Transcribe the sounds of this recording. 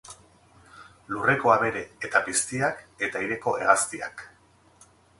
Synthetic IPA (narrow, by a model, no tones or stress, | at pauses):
lure̞ko̞aβe̞ɾe̞ːt̪apist̪iake̞t̪aiɾe̞ko̞ʔe̞ɣ̞ast̪ia̰k